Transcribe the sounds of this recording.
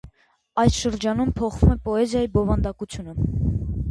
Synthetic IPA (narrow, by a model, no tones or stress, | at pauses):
ɑjsʃəɾd͡ʒɑnumpʰɔχvumɛpɔɛzjɑjibɔvɑnd̪ɑkut͡sʰjunə